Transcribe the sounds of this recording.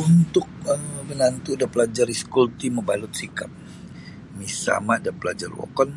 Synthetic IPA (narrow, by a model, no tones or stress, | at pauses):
unt̪ʊk̚əmənant̪udapəlad͡ʒaɾiskult̪iməbalʊt̪̚sikap̚ | misa̰maʔdapəlad͡ʒa̰rwɔ̰kɔn